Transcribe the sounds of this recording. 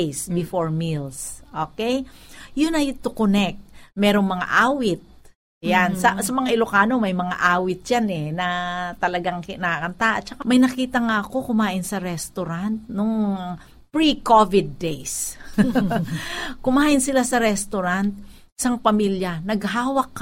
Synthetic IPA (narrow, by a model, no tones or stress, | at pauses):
jsbɪfoɹmilsʔokɛjjʊnɐjt̪ʊkonɛk̚t̪̚mɛːɾoŋmɐŋa̰ʔaːwɪt̪̚ | jansɐsɐmɐŋaʔɪlokaːno̞mɐjmɐŋa̰ʔaːwɪt̪̚janɛnɐt̪ɐlɐɡaŋnɐakɐnt̪aʔɐ̰t̪̚t͡ʃɐkamɐjnɐkiːt̪ɐŋaɐko̞kʊmaːʔɪnsɐɾɛst̪oɾant̪̚noŋ | pɹikovɪd̪̚ːejs | kʊmaːʔɪnsɪlasɐɾɛst̪oɾant̪̚ | sɐŋpɐmiljɐnɐɡɦaːwɐk̚ː